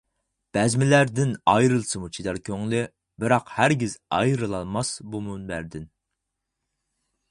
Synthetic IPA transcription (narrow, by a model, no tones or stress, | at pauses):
b̥ɛzmɪlæɾd̪ɪnɑjɾɨlˠsɨmut͡ʃʰid̪ɛɾkʲʰøŋlɪ | bɪɾɑqhæɾɡʲizɑ̰jɾɨlˠɑlˠmɑsbumunbæɾd̪ɪn